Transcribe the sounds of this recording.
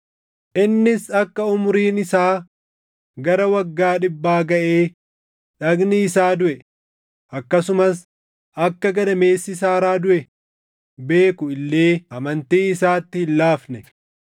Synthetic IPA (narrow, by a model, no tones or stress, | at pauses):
ʔɪnːɪsɐkːɐʊmʊɾiːnɪsaː | ɡɐɾɐwɐɡːaːᶑɪbːaːɡɐʔeː | ᶑɐɡnɪːsaːd̪ʊʔɛ | ʔɐkːɐsʊmɐs | ʔɐkːɐɡɐd̪ɐme̞ːsːɪs̬aːɾaːd̪ʊʔɛ | be̞ːkʊɪlːe̞ːʔɐmɐnt̪iːɪsaːt̪ːɪhɪlːaːfnɛ